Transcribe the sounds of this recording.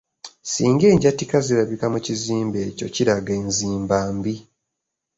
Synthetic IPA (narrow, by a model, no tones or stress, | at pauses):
siːŋɡe̞ːɲɟatikaziɾaβikamuciziːmbe̞ːco̞̰ciɾaɡeːnziːmbaːmbi